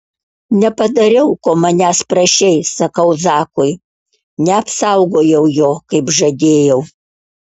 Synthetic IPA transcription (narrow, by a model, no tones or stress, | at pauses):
nʲɛpɐd̪ɐɾʲɛʊkoːmɐnʲæːspɾɐʃʲɛɪsɐkɐʊzɑːkʊɪ | nʲɛɐpsɐʊɡoːjɛʊjoːkɐɪpʒɐd̪ʲeːjɛʊ